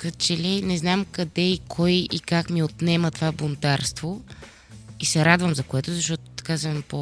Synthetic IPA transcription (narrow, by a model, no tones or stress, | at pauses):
kət͡ʃɛlɛnɛznamkɐd̪ɛikʰɔjikakmiot̪nɛmət̪ovabʊnd̪aɾst̪vo | isɛɾad̪vəmzɐkoɛt̪ʊzɐʃt̪ɔt̪ʊ̥t̪ɐ̥kasɛpo